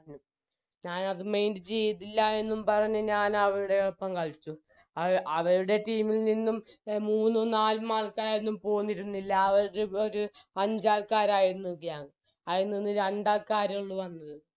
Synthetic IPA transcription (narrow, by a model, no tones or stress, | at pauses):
num | ɲaːnɐðɨme̞jndɨt͡ɕe̞jit̪̬ːilːɐe̞nːumpɐrɐɲːuɲaːnɐʋɐɾuɽe̞eɭpːɐmkɐɭt͡ɕːu | ɐʔɐʋɐɾuɽe̞ʈiːmilninːummuːnːɨnaːlmaːlkaːɾaːjenːumpo̞ːɣunːiɾunːilːɐːʋɐɾuɽeoɾuɐɲd͡ʑaːlkaːɾaːjiɾunːukːijaːŋ | ɐjinːinːɨɾeɳɖaːlkaːɾɐuɭːuʋɐnːɐðɨ